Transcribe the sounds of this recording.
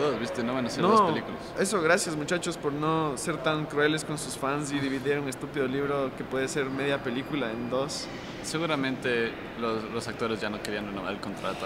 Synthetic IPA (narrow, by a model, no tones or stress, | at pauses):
oβist̪enoβanaseɾnoðoelikulase̞so̞ɣɾasjazmut͡ʃat͡ʃo̞spo̞ɾno̞se̞ɾt̪aŋkɾue̞le̞sko̞nsusfans̬iðiβiðiɾune̞st̪upiðoliβɾo̞ke̞pwe̞ðese̞ɾme̞ðjape̞likulaend̪o̞s | seɣuɾamẽnt̪e̞ | loslosak̚t̪o̞ɾezʝano̞keɾianrenomaɾelko̞nt̪ɾa̰t̪o